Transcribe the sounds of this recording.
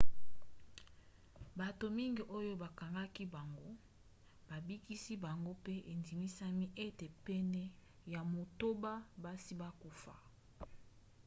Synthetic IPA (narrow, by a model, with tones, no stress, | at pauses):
ba˨to˨mi˦ŋɡi˨ʔo˦jo˦ba˨ka˨ŋɡa˦ki˦ba˨ŋɡo˦ | ba˨bi˦ki˦si˦ba˨ŋɡo˦pe˦ʔe˨ndi˨mi˦sa˦mi˦ʔe˦te˨pɛ˦nɛ˦ | ja˨mo˨to˦ba˦ba˦si˦ba˦ku˨fa̰˨